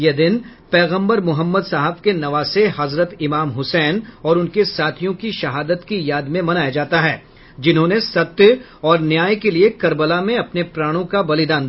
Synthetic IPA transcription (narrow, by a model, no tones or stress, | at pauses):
jed̪ɪnpɛːɣə̃mbəɾmʊɦəmːəd̪saːɦəbkenɐʋaːseɦɐzɾət̪ɪmaːmɦʊsɛːnɔːɾʊnkesaːt̪ʰijõkiʃɐɦaːd̪ət̪kijaːd̪mẽmɐnaːjad͡ʒaːt̪aɦɛː | d͡ʒɪnɦõːnesɐt̪jə | ɔːɾnjaːjkeliekɐɾbəlamẽɐpnepɾaːɽ̃õkabɐlɪd̪aːn